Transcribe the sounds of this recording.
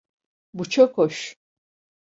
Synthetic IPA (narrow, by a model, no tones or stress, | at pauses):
but͡ʃʰakʰoʃ